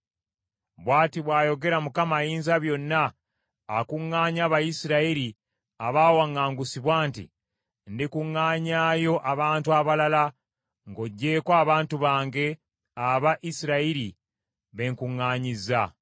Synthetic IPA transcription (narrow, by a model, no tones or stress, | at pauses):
βwaːtiβwaːjo̞ɡe̞ɾamukamajiːnzaβjo̞nːaː | kuŋːaːɲaːβajisiɾaiɾi | aβaːwaŋːaːŋɡusiβwaːntḭ | ndikuŋːaːɲaːjo̞ʔaβaːntuaβalala | ŋɡo̞ɟːe̞ːkwaːβaːntuβaːŋɡe̞ | aβaʔisiɾaiɾi | βe̞ːŋkuŋːaːɲiza